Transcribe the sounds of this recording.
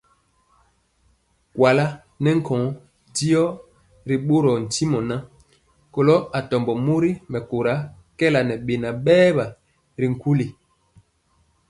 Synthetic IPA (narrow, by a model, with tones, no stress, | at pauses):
kwa˨la˦ | nɛ˦ŋ̩˦kʰɔ̃˨˦ | di˦ɔ˦ | ɾi˨ɓo˦ɾɔ˨n̩˨ti˦mɔ˨na˦ | ko˨lɔ˦a˨tɔ˨mbɔ˨mo˦ɾi˦mɛ˨ko˨ɾa˨˦ | kɛ˦la˨nɛ˨ɓe˨na˨ɓɛː˦ba˨ | ɾi˨ŋ̩˨ku˦li˨